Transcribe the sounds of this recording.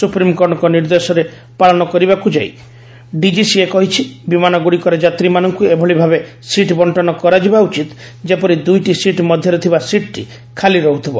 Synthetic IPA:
supɾimkɔɾɽ̃ɔkɔniɾd̪esɔɾe | paɭɔnɔkɔɾibakud͡ʒaj̰ | ɖid͡ʒisiekɔɦit͡ʃʰibimanɔɡuɽikɔɾed͡ʒat̪ɾimanɔŋkuebʱɔɭibʱabe | siʈbɔɳʈɔnɔkɔɾad͡ʒibaut͡ʃit̪ | d͡ʒepɔɾid̪ujʈisiʈmɔd̪ʱjɔɾet̪ʰibasiʈʈi | kʰaliɾɔɦut̪ʰibɔ

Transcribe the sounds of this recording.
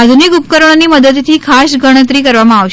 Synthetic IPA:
ad̪ʱunikup̚kəɾəɳ̃animəd̪əd̪t̪ʰiːkʰasɡəɽ̃ət̪̬ɾiːkəɾʋamãaʋʃ

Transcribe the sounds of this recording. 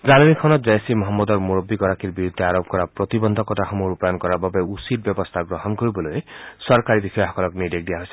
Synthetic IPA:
zanɔmikʰɔnɔt̪̚d͡ʒajsimɔɦɔmːɔd̪ɔɾmuɾɔbːiɡɔɾakiɾbiɾud̪ʱːeaɾɔb̚kɔɾapɾɔt̪ibɔnd̪ʱɔkɔtaxɔmuɾupaɔnkɔɾababeusit̚bjɔbɔst̪ʰaɡɾɔɦɔnkoɾibɔlojesɔɾkaɾibixɔjɔɦɔkɔlɔknidek̚d̪ijaɦojse̥

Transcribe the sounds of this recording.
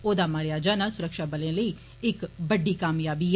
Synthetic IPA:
oːd̪aːmaːɾɪjaːd͡ʒaːnaːsʊɾəkʃaːbəlẽːləiː | ɪkbəɖːiːkaːmjaːbiː

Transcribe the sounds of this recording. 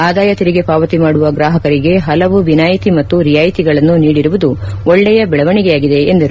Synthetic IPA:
aːd̪aːjɐt̪iɾiɡe̞paːʋɐt̪imaːɽuʋɐɡɾaːɦɐkɐɾiɡe̞ɦɐlɐʋuʋinaːjit̪imɐt̪ːuɾijaːjit̪iɡɐɭɐnːuniːɽiɾuʋud̪u | oɭːɛjɐbɛɭɐʋɐɳiɡejaːɡid̪e̞end̪ɐɾu

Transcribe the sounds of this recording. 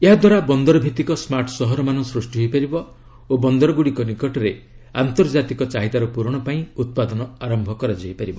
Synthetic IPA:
eɦad̪waɾabɔnd̪ɔɾɔbʱit̪ikɔsmaɾʈɔsɔɦɔɾɔmanɔ̃sɾusʈiɦojpaɾibɔ | obɔnd̪ɔɾɔɡuɽikɔnikɔʈɔɾe | ant̪ɔɾd͡ʒat̪ikɔt͡ʃaɦit̪aɾɔpuɾɔɽ̃ɔpaĩut̪̚pad̪ɔnɔaɾɔmbʱɔkɔɾad͡ʒajpaɾibɔ

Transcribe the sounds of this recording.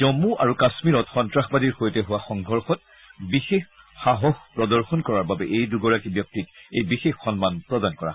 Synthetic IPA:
d͡ʒɔmuʔaɹukasmiɹɔtxɔntɹaxbadiɹxojtɛɦʊwaxɔŋɡʱɔɹxɔt̚ | bixex | xaɦɔxpɹɔdɔɹxɔnkɔɹaɹbabɛʔejduɡɔɹakibjɔk̚titḛjbixexːɔnmanpɹɔdankɔɹa̰

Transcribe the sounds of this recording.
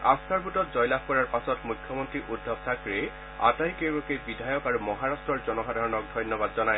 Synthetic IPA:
a̰st̪ʰaɹbʱutɔt̚zɔjlab̚kɔɹaɹpasɔtmukʰːjɔmɔntɹiʔudʱːɔbsʰakɹe | a̰tajkewbɔkebidʱajɔkaɹumɔɦaɹastɹɔɹzɔnɔxadʱaɹɔnɔk̚dʱɔjnjɔbadzɔnaj

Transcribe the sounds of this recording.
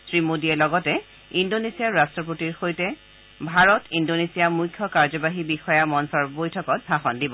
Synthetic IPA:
sɹimodiɛlɔɡɔtɛ | indonesiaɹastɹɔpotiɹxojtɛ | bʱaɹɔtindonesijamujkʰːjɔkaɹzɔbaɦibixɔjamɔnsɔɹbojtʰɔkɔt̚bʱaxɔndibɔ

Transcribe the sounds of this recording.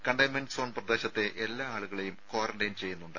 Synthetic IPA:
kɐɳɖɐjmenɖɨso̞ːnprɐd̪e̞ːɕɐt̪ːe̞ʔelːaːaːɭuɣɐɭejumkoːrɐɳɖejnt͡ɕe̞jːunːuɳɖɨ

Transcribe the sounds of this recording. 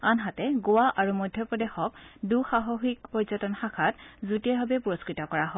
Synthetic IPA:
anɦatɛɡʊwaʔaɹumɔjdʱjɔpɹɔdexɔk̚duxaɦɔxikpɔɹzɔtɔnxakʰatzutiɛbabɛpuɹɔskɹitɔkɔɹaɦɔ

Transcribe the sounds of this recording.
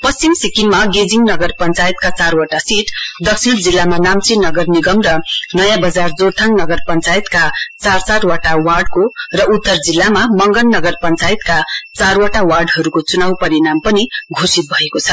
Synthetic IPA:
pʌst͡simsikinmaɡed͡ziŋnʌɡʌrpʌnt͡sajt̪kat͡sarwaʈasiʈd̪ʌksʰind͡zilːamanamt͡sinʌɡʌrniɡʌmrʌnʌjãbʌd͡zard͡zort̪ʰaŋnʌɡʌrpʌnt͡sajt̪kat͡sarsaʈwaʈawarɖkorʌut̪ːʌrd͡zilːamamʌŋɡʌnːʌɡʌrpʌnt͡sajit̪kat͡sarwaʈawarɖɦʌɾukot͡sunawpʌɾinampʌniɡʱosit̪̚bʱʌekot͡sʰʌ

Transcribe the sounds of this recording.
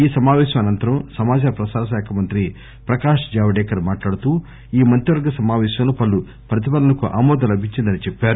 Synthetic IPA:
iːsɐmaːʋɛːʃɐmɐnɐnt̪ɐɾɐmsɐmaːd͡ʒaːɐpɾɐsaːd̪ɐʃɛːkʰɐmɐnt̪ɾi | pɾɐkaːʂd͡ʒaːʋɐɖɛːkɐɾmaːʈlaːɽut̪uː | iːmɐnt̪ɾiʋɐɾɡɐsɐmaːʋɛːʃɐmloːpɐlːu | pɾɐt̪̬ipɐnːɐnɐkuʔa̰ːmɔːd̪ɐlɐbʱiɲt͡ʃind̪ɐnit͡ʃepːaːɾu

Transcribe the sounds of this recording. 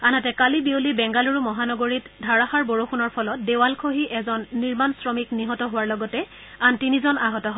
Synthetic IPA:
anatɛkalibiulibɛŋɡaluɹumɔɦanɔɡoɹitdʱaɹaxaɹboɹoxunɔɹpʰɔlɔt̚dewalkʰoɦiʔɛzɔnːiɹmansɹɔmikniɦɔtɔɦʊwaɹlɔɡɔtɛ | antinizɔnaɦɔtɔɦɔ

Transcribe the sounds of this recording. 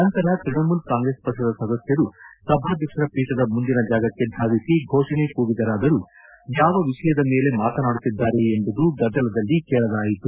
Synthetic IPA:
nɐnt̪ɐɾɐt̪ɾiɳɐmulkaːŋɡɾe̞ːspɐkʂɐd̪ɐsɐd̪ɐsjɐɾusɐbʱaːd̪jɐkʂɐɾɐpiːʈɐd̪ɐmund̪inɐd͡ʒaːɡɐkːe̞d̪ʱaːʋisiɡʱoːʂɐɳekuːɡid̪ɐɾaːd̪ɐɾu | jaːʋɐʋiʂɐjɐd̪ɐme̞ːle̞maːt̪ɐnaːɽut̪ːid̪ːaːɾeːmbud̪uɡɐd̪ːɐlɐd̪ɐlːikɛːɭɐd̪aːjit̪u

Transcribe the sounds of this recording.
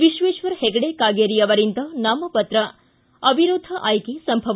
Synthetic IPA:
ʋiʃʋeːʃʋɐɾheɡɐɽekaːɡeɾijɐʋɐɾint̪ɐnaːmɐpɐt̪ɾɐ | ɐbʱiɾoːd̪ʱɐʔaːjkesɐmbʱɐʋ

